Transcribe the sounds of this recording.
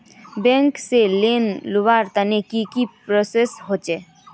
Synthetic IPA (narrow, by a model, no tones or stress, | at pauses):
bẽŋkselenluʋaɾt̪anekikipɾosesɦot͡ʃe